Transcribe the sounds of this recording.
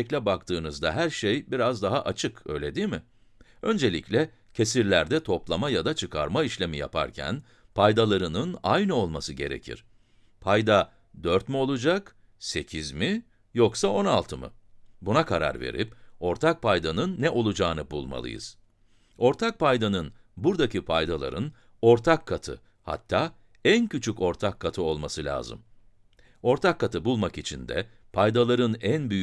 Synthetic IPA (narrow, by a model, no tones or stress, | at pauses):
ɛclʲɛbakt̪ʰɯːnɯzd̪aɦæɾʃejbiɾazd̪aɦaʔat͡ʃʰɯkø̞jlʲe̞d̪iːmɪ | ø̞nd͡ʒe̞lʲiclʲɛ | cʰe̞siɾlʲæɾd̪ɛt̪ʰo̞plˠamajad̪at͡ʃʰɯkʰa̰ɾmaiʃlʲe̞mija̰pʰa̰ɾcʰæ̰n | pʰajd̪alˠaɾɯnɯnajnɯo̞lˠmasɯɟe̞ɾe̞̰cʰḭɾ̥ | pʰajd̪a | d̪øɾt̪mio̞lˠud͡ʒak | se̞cʰizmi | joksao̞nalˠt̪ʰɯmɯ̰bunakʰaɾa̰ɾve̞̰ɾipo̞ɾt̪ʰak̚pʰajd̪anɯnːɛʔo̞lˠud͡ʒaːnɯbulˠma̰lˠɯ̰jɯ̰z̥ | o̞ɾt̪ʰak̚pʰajd̪anɯn | buɾd̪acʰipʰajd̪alˠa̰ɾɯn | o̞ɾt̪ʰakʰːat̪ʰɯ̰ | ha̰t̪ʰːaː | æncʰyt͡ʃʰyco̞ɾt̪ʰakʰːat̪ʰɯo̞lˠmasɯlʲa̰ːzɯ̰m | o̞ɾt̪ʰakːat̪ʰɯbulˠmakit͡ʃʰind̪ɛ̰ | pʰajd̪alˠaɾɯnænbyj